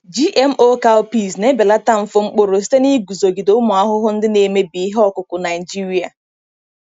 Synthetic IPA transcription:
d͡ʒi˦ʔe˦m̩˦ʔo˦ka˦lpi˦˨s̬ne˦be˨la˦ta˦m̩˨fʊ˦ŋ͡m̩˦k͡po˦ɾo˨s̬i̥˦te˦ni˦ɡu˨zo˨ɡi˨do˨˦ʊ˦mʊ˨a˦ɦʊ˦ɦʊ˦n̩˦dɪ˦ne˨me˦bi˨˦ɦɔ˦kʊ˨kʊ˨na˨ɪ˨d͡ʒi˦ɾi˦a˨

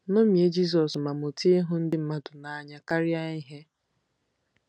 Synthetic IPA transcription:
no˦mi˨e˦d͡ʒi˦s̬ɔ˨sma˨mo˨ti˦e˦ɦʊ˦n̩˦dɪ˦m̩˦ma˦dʊ˨na˨˦˨ɲa˦ka˦ɾɪ˦a˦i˦ɦe˦

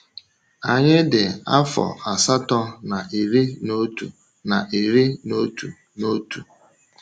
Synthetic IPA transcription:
a˨ɲɪ˦dɪ˨a˦fɔ̰˨a˨sa˦tɔ˦na˨ʔi˨ɾi˦no˦tu˨ | na˨ʔe˨ɾi˦no˦tu˨ | no˦tu˨

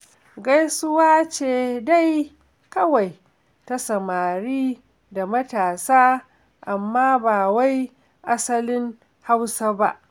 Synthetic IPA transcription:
ɡa˦jsʊ˦waː˦t͡ʃeː˨da˦j | kɐ˦wa˨j | ta˦sɐ˨maː˨ɽiː˦ | da˨mɐ˦taː˨saː˦ | ʔa˨mːaː˦baː˨wa˦j | ʔa˦sɐ˦lɪ˦ŋ | ha˦wsa˦ba̰˦ʔ

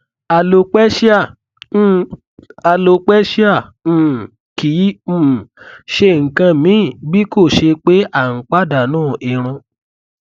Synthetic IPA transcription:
a˧lo˧k͡pɛ˦ʃi˦ã˦˨˦ | a˧lo˧k͡pɛ˦ʃi˦ã˦˨˦ | kĩ˨˦˨ʃe˧˦˨ŋ̩˨kã˧mĩ˨˦˨bi˦ko˦˨ʃe˧k͡pe˦ʔa˦˨ŋ̩˨k͡pa˦da˨nũː˦˨i˧ɾ̃ũ˧

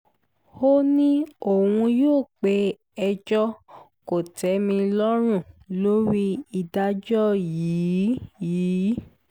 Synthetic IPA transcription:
ho˦nĩ˦o˨wũ˧joː˦˨k͡pe˧˦ | ɛ˧d͡ʒɔ˦ | ko˨tɛ˨˦mĩ˧lɔ˦ɾ̃ũ˦˨lo˦ɾi˦i˨da˧˦d͡ʒɔ˦jiː˨˦jiː˨˦

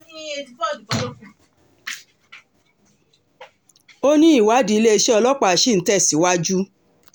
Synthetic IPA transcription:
nĩ˦e˧˨˦ɔ˦˨i˨ɔ˨˦lo˦kũ˨ | o˦nĩ˦i˦˨wa˨˦di˧i˧le˦e˧ʃɛ˦ɔ˧lɔ˦k͡pa˧˨ʃi˦˨n̩˨˦tɛ˦˨si˨˦wa˦d͡ʒu˦

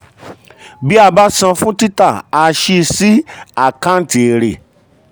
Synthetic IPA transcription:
bi˦a˦˧˨ba˦sã˧fũ˦ti˦ta˦˨a˧ʃi˧si˦a˨kã˦n̩˦˨ti˨e˨ɾe˨

